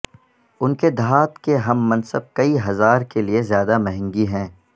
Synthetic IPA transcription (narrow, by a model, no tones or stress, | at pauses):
ʊnked̪ʱaːt̪keɦɐmːɐ̃nsəb̚kɐiɦɐzaːɾkeliezjaːd̪amɐɦɛ̃ŋɡiɦɛ̃ː